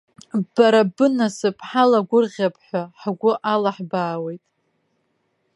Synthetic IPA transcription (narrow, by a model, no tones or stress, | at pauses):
baɾabɨnasɨpʼħalaɡʷʊrʁʲapʰʼħʷaħaɡʷʊʔalaħbaːwe̞jtʼ